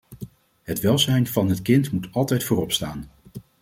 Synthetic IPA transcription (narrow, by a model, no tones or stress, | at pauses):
ɦətʋɛlˠzɛjnv̥ɑnɦətkɪntmutɑlˠtɛjtfoːrɔpstaːn